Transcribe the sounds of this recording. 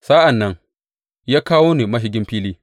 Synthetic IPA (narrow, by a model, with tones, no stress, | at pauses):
sa˦ʔa˨nːɐ˦ŋ | jaː˦kaː˦woː˦neː˨mɐ˦ɦɪ˦ɡʲɪ˦mɸiː˦liː˦